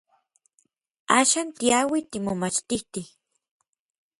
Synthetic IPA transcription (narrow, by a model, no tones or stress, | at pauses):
aːʃaːnt̪iawit̪imomat͡ʃt̪it̪i